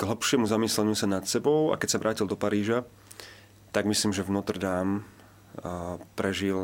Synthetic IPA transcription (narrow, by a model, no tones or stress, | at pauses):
ɡɦ̩pʃɪɛmuzamiːslɛɲusanat̪sɛbɔʊa̰kɛcsaʋɾʔaːcild̪ɔpaɾiːʒa | t̪aɡmisliːmʒɛvnɔt̪r̩d̪aːm | pɾɛʒil